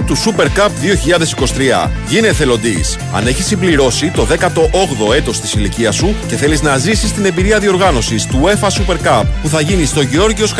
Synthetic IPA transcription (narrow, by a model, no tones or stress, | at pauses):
t̪usupe̞ɾkɐpðio̞çiʎɐðesiko̞si̥t̪ɾiɐ̰ | ʝine̞θelo̞nd̪is | ɐ̰ne̞çisimbliɾo̞sit̪o̞ðe̞kɐt̪o̞ʔoɣðo̞e̞t̪o̞st̪i̥siliciɐsuce̞θe̞liznɐzisist̪ine̞biɾiɐðio̞ɾɣɐno̞sist̪ue̞fɐsupe̞ɾkɐpːuθɐʝinist̪o̞ʝeo̞ɾʝio̞sk